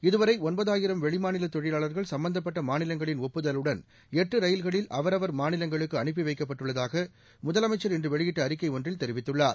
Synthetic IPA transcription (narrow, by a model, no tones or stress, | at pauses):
ɪðɯʋɐɾɐɪɔnbɐðaːjɪɾɐmʋɛɭɪmaːnɪlɐt̪ɔɻɪlaːɭɐɾɣɐɭsɐmbɐnd̪ɐp̬ːɐʈːɐmaːnɪlɐŋɡɐɭɪnɔpːɯðɐlɯɽɐn | ɛʈrɯɾɐjɪlɣɐɭɪlʔɐʋɐɾɐʋɐɾmaːnɪlɐŋɡɐɭɯkːɯɐɳɪp̬ːiʋɐɪkːɐpːɐʈːɯɭːɐðaːɣɐ | mʊðɐlɐmɐɪt͡ʃːɐɾɛndrɯʋɛɭɪjɪʈːɐːɾɪkːɐɪɔndrɪlt̪ɛɾɪʋɪt̪ːɯɭːaːɾ